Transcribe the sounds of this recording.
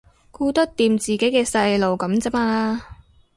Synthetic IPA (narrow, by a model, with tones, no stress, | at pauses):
kuː˧t̪ɐ˥k̚t̪iː˨˧mt͡siː˨˩ke˨˥jkɛː˧sɐ˧jlo˨wkɐ˨˥mt͡sɐ˥maː˧